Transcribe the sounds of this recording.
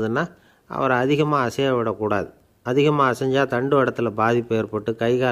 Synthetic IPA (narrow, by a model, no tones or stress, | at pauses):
ðɯnːaː | ʔɐ̰ʋɐɾɐɐðɪɣɐmaːɐsɐjɐʋɪɽɐkːuːɽaːðɯ | ɐðɪɣɐmaːɐsɐɲd͡ʒaːt̪ɐɳɖɯʋɐɽɐt̪ːɯɪlɐbaːðɪpːeːɐɾpɐʈːɯkɐɪɣaː